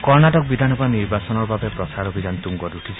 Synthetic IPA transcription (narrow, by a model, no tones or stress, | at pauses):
kɔɾnaʈɔk̚bid̪ʱanɔbaniɾbasɔnɔɾbabepɾɔsaɾɔbʱid͡ʒant̪uŋɡɔɾuʈʰit͡ʃʰ